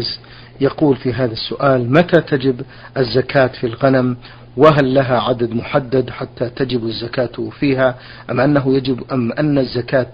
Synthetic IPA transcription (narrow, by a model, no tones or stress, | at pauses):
z | jɑquːlfiɦaːðasːʊ̰ʔaːlmat̪at̪ad͡ʒɪb | ʔazːakʰaːt̪filɣanam | wɪɦalːaɦaʕad̪ad̪mʊħad̪ːad̪ħat̪ːat̪ad͡ʒɪbazːakaːt̪fiːɦa | ʔamʔanːaɦʊjad͡ʒɪbʔamʔanːazːakaːt̪